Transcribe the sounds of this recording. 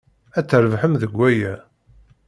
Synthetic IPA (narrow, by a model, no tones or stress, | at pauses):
æt͡sːəɾvħəmðəɡʷːæjæ